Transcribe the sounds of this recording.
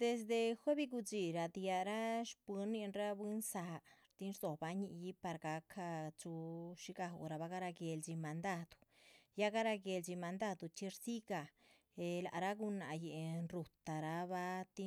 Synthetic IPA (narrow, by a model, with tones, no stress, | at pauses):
d̪̥e˧s̬d̪e˧xʷe˦bi˧ɡu˧d͡zi˧˨ɾa˧d̪ja˧ɾa˦ʃpɨ˧˦nːi˧nɾa˦bi˦nsa˧ɾt̪i˦nɾzo˨ba˧ɲi˧ʔji˦pa˧ɾɡa˧kʰa˧t͡ʃu˧ʃi˧ɡa̰˧ɾa˧ba˧ɡa˦˧ɾa˧ɡe˧ld͡ʒi˧ma˧nd̪a˧d̪̥u̥˨ja˦ɡa˦ɾa˧ɡe˧ld͡ʒi˧ma˧nd̪a˦˧d̪u˨t͡ʃi˧ɾsi˦ɡa˨ | e˧la˧ʔɾa˦ɡu˧na˧˨je˨nɾu˧t̪a˨ɾa˧ba˦˧t̪i˦